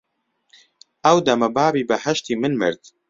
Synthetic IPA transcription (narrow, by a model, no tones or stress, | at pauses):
ɛwd̪ɐmɐbaːbiːbɨhɛʃt̪iːmɨnmɨ̰ɾd̪̥